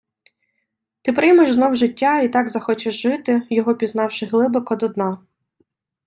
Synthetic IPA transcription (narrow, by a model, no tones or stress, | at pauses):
t̪ɪpɾɪjmeʃznɔwʒɪtʲːɑit̪ɑɡzɐxɔt͡ʃɪʒʒɪt̪ɪjɔɦɔpʲizn̪ɑwʃɪɣlˠɪbɪkɔd̪ɔd̪nɑ